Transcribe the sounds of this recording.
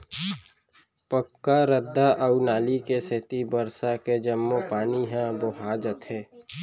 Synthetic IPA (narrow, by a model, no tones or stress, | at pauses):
pəkːaɾəd̪ːaʔəunaːlikeset̪ibəɾsaked͡ʒəmːopaːniɦãboːɦaːd͡ʒət̪ʰɦeː